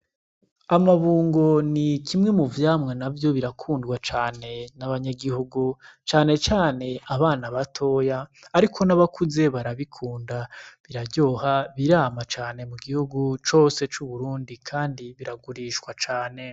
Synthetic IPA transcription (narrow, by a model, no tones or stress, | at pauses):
amaβuːŋɡo̞nikʰimŋe̞muvjaːmŋenavjo̞βiɾakʰuːndɡwat͡ʃaːne̞naβaɲaɡihuɡut͡ʃaːne̞t͡ʃaːne̞aβaːnaβatʰo̞jaːɾikʰo̞naβakuze̞βaɾaβikʰuːndaβiɾaɟo̞ːhaβiɾaːmat͡ʃaːne̞muɡihuɡut͡ʃo̞ːse̞t͡ʃuβuɾuːndikʰaːndiβiɾaɡuɾiːʃkwat͡ʃaːne̞